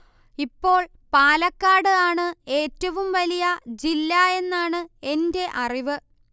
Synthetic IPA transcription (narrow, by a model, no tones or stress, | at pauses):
ipːo̞ːɭ | paːlɐkːaːɽɨaːɳɨe̞ːtːɐʋumʋɐlijɐd͡ʑilːae̞nːaːɳɨe̞nde̞ʔɐriʋɨ